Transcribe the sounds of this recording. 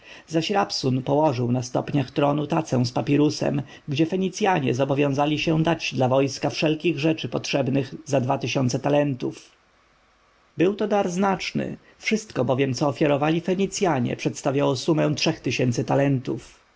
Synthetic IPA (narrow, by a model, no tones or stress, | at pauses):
zaɕɾapsunpɔwɔʐɘwnast̪ɔ̰pɲaxt̪ɾɔnut̪at̪sɛ̃w̃spapʲiɾusɛ̰m | ɡd͡ʑɛfɛɲit̪sʲjaɲɛ̰zɔbɔvʲjɔ̃w̃zalʲiɕɛd̪ad͡ʑd̪lavɔjskafʂɛlkʲiɣʐɛt͡ʂɘpɔtʂɛbnɘɣzad̪vat̪ɘɕɔnt̪sɛt̪alɛnt̪uf | bɘwt̪ɔd̪aɾznat͡ʂnɘ̰ | fʂɘst̪kɔbɔvʲjɛmt̪sɔːfʲjaɾɔvalʲifɛɲit̪sʲjaɲɛ̰pʂɛt̪st̪avʲjawɔsumɛ̃tʂɛxt̪ɘɕɛnt̪sɘt̪alɛnt̪uf